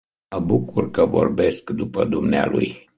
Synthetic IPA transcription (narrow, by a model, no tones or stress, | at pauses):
məbukurkəvo̞̰rbe̞skd̪upəd̪umnea̰lṵj